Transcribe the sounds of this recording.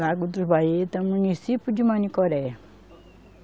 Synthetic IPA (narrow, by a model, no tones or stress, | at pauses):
aɡud̪ubʱajet̪ɐmunisipud͡ʒumanikɔɾɛ